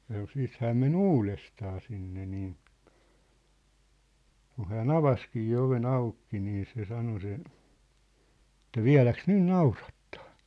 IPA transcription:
sɑno siːt hæːm men uːlestɑː sinːe niːn̞ kun̞ hæːn ɑʋɑskiː oʋen ɑukːi niː se sɑno se ĕtˑæ ʋiæ̝læks nyn nɑurɑtːɑ̥ː

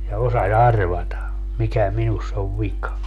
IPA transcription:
jɑ osɑs ɑrʋɑtɑ mikæ minusː oʋ ʋikɑ

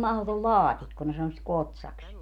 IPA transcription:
mɑhlotol lɑːtikːo ne sɑno sit kotsɑks

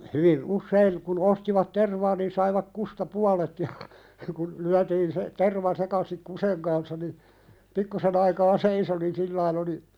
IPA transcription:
hyʋi usːein kun ostiʋɑt terʋɑː nin sɑiʋɑk kustɑ puɑlet jɑ kun lyætiːn se terʋɑ sekɑsik kuseŋ kɑnsːɑ ni pikːusen ɑikɑː seiso nin silːɑin oli

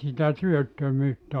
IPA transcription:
sitæ tyøtːømyːtː

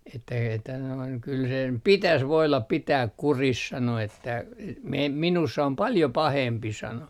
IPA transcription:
etːæ etːæ noiŋ kyl sem pitæs ʋoilɑp pitæːk kuris sɑno etːæ e me minusː om pɑljo pɑhempi sɑno

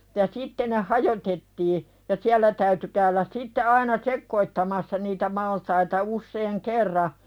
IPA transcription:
jɑ sitːe ne hɑjotetːiː jɑ siælːæ tæyty kæylæs sitːe ɑinɑ sekːoitːɑmɑsːɑ niːtæ mɑltɑitɑ usːeːŋ kerːɑ

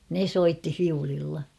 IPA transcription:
ne soitːi fiulilːɑ

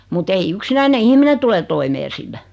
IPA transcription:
mut ei yksinæine ihmine tule toimeː silːæ

